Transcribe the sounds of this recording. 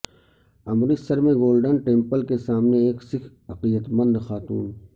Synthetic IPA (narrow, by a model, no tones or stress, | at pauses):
ɐmɾisəɾmẽɡoːlɖənʈẽːmpəlkesaːmneeːksɪkʰ | ɐqijət̪mə̃nd̪xaːt̪uːn